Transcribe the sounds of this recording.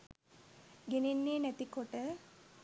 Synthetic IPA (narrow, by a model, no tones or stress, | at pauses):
ɡenenːeːnæt̪ikoʈə